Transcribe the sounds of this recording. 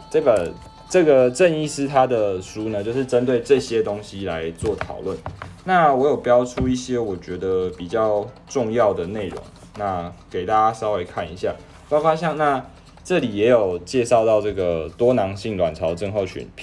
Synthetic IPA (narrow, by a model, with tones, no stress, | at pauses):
ʈ͡ʂɤ˥˩ɡə˨˩ | ʈ͡ʂɤ˥˩ɡə˩ʈ͡ʂə˥˧ni˥˧sɹ̩˥t̪ʰa˦˥d̪ə˨ʂu˥nə˧t͡ɕjo˥˧ʊʂɻ̩˥˩ʈ͡ʂə˦nt̪̬we˥˧ɪʈ͡ʂɤ˥˨˧ɕjɛ˥t̪o˥ŋɕi˦la˧˦ɪt͡swɔ˥˩t̪ʰɑ̰˨˩ʊlwə˥˨nna˥˨wɔ˨˥jo˨˩ʊpjɑ˥ʊʈ͡ʂʰu˦i˥˩ɕjɛ˥wɔ˨˩t͡ɕɥɛ˧˥d̪ə˨pi˨˩t͡ɕjɑ˥˧ʊʈ͡ʂʊ˥˧ŋjɑ˥˩ʊd̪ə˩ne˥˩ɪɻʊ̰˧˥ŋ | na˥˩ke˨˩ɪt̪a˥˧t͡ɕa˥˦sɑ˥ʊwe˧˥ɪkʰa˥˩ni˧˦ɕja˥˩ | pɑ˥ʊfa˥ɕjɑ˥˧ŋna˥˧ | ʈ͡ʂɤ˥˩li˨˩jɛ˨˦jo˨˩ʊt͡ɕjɛ˥˧ʂɑ˥˧ʊt̪ɑ˥˧ʊʈ͡ʂɤ˥˩ɡə˩t̪wɔ˦nɑ˧˥ŋɕi˥˩ŋlwa˨˩nʈ͡ʂʰɑ˧˥ʊʈ͡ʂə˥˧ŋxo˥˩ʊɕʰy̰˧˥npʰ